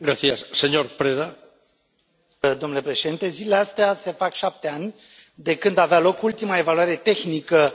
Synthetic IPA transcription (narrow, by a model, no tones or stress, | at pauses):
ɡɾaθiasːeɲoɾpɾeða | d̪o̞mnule̞pɾe̞ʃed̪int̪e̞zileleast̪ease̞fakʃap̚t̪e̞anʲ | d̪e̞kɨnd̪avealo̞kult̪imaevaluaɾe̞t̪e̞xnikə